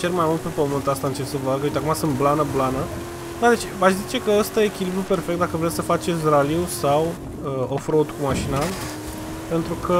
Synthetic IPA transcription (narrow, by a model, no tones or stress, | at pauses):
t͡ʃermajmult̪̚pe̞pəmɨnt̪ast̪aɨnt͡ʃe̞səvaɡəwut̪eakumasɨnt̪̚blanəblanə | d̪ad̪et͡ʃʲaʃzit͡ʃe̞kəəst̪ajeekʲilibɾupe̞rfek̚t̪d̪akəvɾet̪sʲsəfat͡ʃe̞t̪sʲraliusaw | əofɾoud̪kumaʃinal | pe̞nt̪ɾukʰə